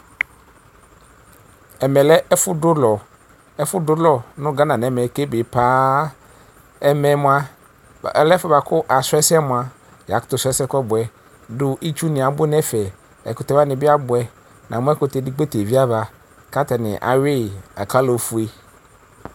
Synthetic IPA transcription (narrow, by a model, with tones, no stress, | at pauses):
ɛ˨mɛ˨lɛ˦fʊ˦dʊ˦lɔ˨ | ɛ˦fʊ˦dʊ˦lɔ˨nʊ̃˦ɡa˦nã˨nɛ̃˨˦mɛ˨ke˦bɪ˨paː˦ | ɛ˦mɛ˨˦mʊ̃˦a˦˨ | ɛ˨lɛ˦fɔ˦ba˨kʰʊ˦ʔa˨sʊ˦ɛ˦sɛ˦mʊ̃˨a˨ | ja̰˨kʊ̥˨t̪ʊ˨sɛ˦sɛ˦kʷɛ˦bʊ˨ɛ˨ | dʊ˦ʔi˦t͡ʃu˦nɪ̃˨a˨bʊ˦nɛ˦fɛ˨ | ɛ̰˨kʊ˨tɛ˨˦va˦nɪ̃˨bɪ˦a˦bʊ˨ɛ˦ | nʔã˨mʊ̃˦ɛ˦kʊ˨te˨dɪ˦k͡pe˦te˨vi˦a˦va˨ | ka˦tɛ˨nɪ̰̃˨ʔa̰˨ɥɪ˦˨a̰˨ka˦lo˨fu˨˦e˦